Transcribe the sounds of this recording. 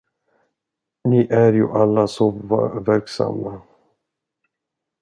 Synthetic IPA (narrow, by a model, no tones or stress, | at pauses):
nɪʔæɾjṵʔalːasovæɾksa̰mːa